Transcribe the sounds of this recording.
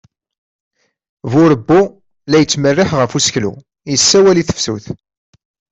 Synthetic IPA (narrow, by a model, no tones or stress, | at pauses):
vʊɾəbːu | læjət͡sːmərːɪħʁəfusəçlṵ | jəsːæwæliθə̥fsuθ